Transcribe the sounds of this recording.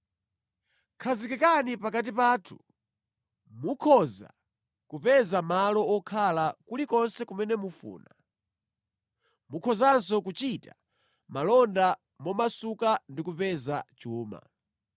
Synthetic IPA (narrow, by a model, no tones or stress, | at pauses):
kʰazikikanipakat̬ipaːtʰu̥ | mukʰɔza̰ | kupɛzamalɔɔkʰalakulikɔnsɛkumɛnɛmufṵːna | mukʰɔzansɔkut͡ʃita | malɔnda | mɔmasukandikupɛzat͡ʃuːma̰